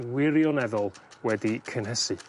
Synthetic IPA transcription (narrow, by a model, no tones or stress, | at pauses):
wɪɾjɔnɛðɔlˠwɛdikʰənɦɛsɨ